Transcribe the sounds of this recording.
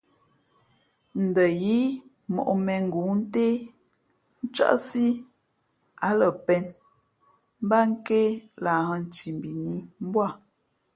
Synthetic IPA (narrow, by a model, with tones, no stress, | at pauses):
n̩˨də˨ji˦ | mɔ̰˨ʔmɛ˨ŋ̩˨ɡu˨˦n̩˦te˦ | n̩˦t͡ʃa̰˦ʔsi˦ | a˦lə˨pɛ˨n | m˦ba˦ŋ̩˦ke˦la˨hə˨n˨t͡ʃi˨m˨bi˨ni˦m˦bwa˦˨